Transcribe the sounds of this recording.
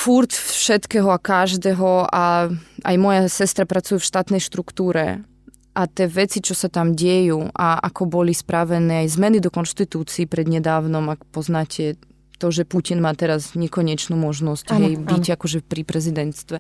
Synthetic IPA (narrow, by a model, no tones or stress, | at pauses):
fuɾt̪ʃɛt̪kɛɦɔakaʒd̪ɛɦɔaa̰jmɔjasɛst̪ɾapɾat͡sujufʃt̪aːt̪nɛjʃt̪ɾukt̪uːɾɛ̰ | ʔat̪ɛːʋɛt͡sit͡ʃɔsat̪amɟɛjuːʔaʔa̰kɔbɔlispɾaʋɛnɛːajzmɛnid̪ɔkɔnʃt̪it̪uːt͡siːpɾɛd̪ɲɛd̪aːwnɔmakpɔznaːcʰɛ | t̪ɔʒɛpucinmaːt̪ɛɾazɲɛkɔɲɛt͡ʃnuːmɔʒnɔscɦɛjbicakɔʒɛpɾipɾɛzid̪ɛnt̪st̪ʋɛ